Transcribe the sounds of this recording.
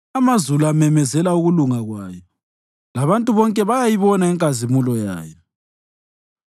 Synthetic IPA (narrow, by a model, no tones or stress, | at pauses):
amazuluamɛmɛzɛlauɣuluŋaɣwaːjɔ | laβantʼuβɔŋkʼɛβajajiβɔnaɛŋkʼazimulɔja̰ːjɛ